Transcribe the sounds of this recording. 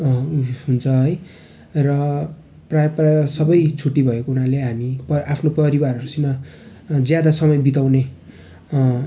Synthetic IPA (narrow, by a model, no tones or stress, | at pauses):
ɦunt͡sʰʌɦʌj | rʌ | prajprasʌbʌjt͡sʰuʈːibʱʌekounaleɦamipʌapʰnopʌɾibarʌɾusima | d͡zjad̪asʌmʌjbit̪aw̃ne